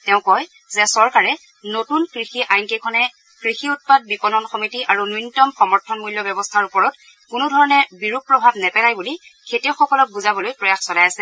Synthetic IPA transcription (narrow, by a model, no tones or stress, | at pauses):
tɛʊ̃kɔj | zɛsɔɹkaɹɛ | notunkɹixiʔajnkekʰɔnɛ | kɹixiut̚pad̚bipɔnɔnxɔmitiʔaɹunujnitɔmxɔmɔɹtʰɔnmuljɔbɔbɔstʰaɹupɔɹɔt | kunudʱɔɹɔnɛbiɹuk̚pɹɔbʱabnɛpɛlajbulikʰetiʊxɔkɔlɔk̚buzabɔlojpɹɔjaxsɔlajasɛ